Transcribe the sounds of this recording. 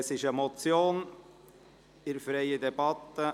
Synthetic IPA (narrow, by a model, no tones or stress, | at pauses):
sɪʃəmɔt͡sjoːn | ɪɾfɾeɪəd̪ɛb̥ɑt̪ːə